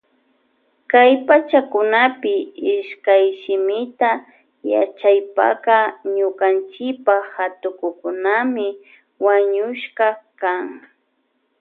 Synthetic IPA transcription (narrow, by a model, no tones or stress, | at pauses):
kajpat͡ʃakʊnapɪɪʃkajʃɪmɪt̪a | ja̰t͡ʃajpa̰kaɲʊkant͡ʃɪpahat̪ʊkʊkʊnamɪ | waɲʊʃkakaŋ